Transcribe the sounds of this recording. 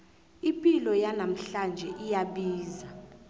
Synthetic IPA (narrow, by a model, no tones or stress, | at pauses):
impʼilɔjanam̩ɬand͡ʒʱɛʔijaɓiːza